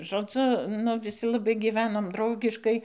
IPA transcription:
ʒoːˈd͡zʊ nʊ ʋʲɪˈsʲɪ lˠɐˈbɐɪ ɡʲɪˈʋʲæːnoːm ˈdrɐʊɡʲɪʃkɐɪ

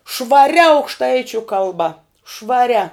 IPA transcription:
ʃʋɐˈrʲɛ ɐʊkʃˈtɐɪt͡ʃʲʊ kɐlˠˈbɐ ʃʋɐˈrʲɛ

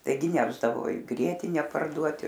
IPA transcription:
tɐɪˈɡʲɪ ˈnʲæːʒdɐʋoː ɪ ˈɡrʲiɛtʲɪnʲɛ pɐrˈduɔtʲɪ

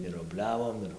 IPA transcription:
ɪr oːbʲˈlʲæːʋoːm ˈɪr

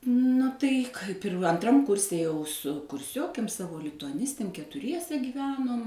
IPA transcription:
ˈnʊ tɐɪ ˈkɐɪp ɪr ɐnˈtrɐm ˈkʊrʲsʲɛ jɛʊ sʊ kʊrʲˈsʲoːkʲeːm ˈsɑːʋoː lʲɪtʊɐˈnʲɪsʲtʲeːm kʲɛtʊˈrʲiɛsʲɛ ɡʲiːˈʋʲæːnoːm

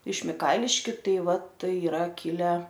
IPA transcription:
ɪʃ mʲɪˈkɐɪlʲɪʃʲkʲʊ ˈtɐɪ ˈʋɐ ˈtɐɪ ɪˈrɐ ˈkʲɪlʲɛ

